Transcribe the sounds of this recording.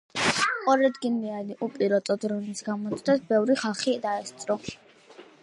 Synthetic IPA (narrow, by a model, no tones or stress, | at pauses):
qʼɔɾad̪ɡinlianiʔupʼiɾɔt̪ʼɔd̪ɾunisɡamɔt̪sʰd̪ɛsbɛvɾiχalˠχid̪aɛst̪sʼɾɔ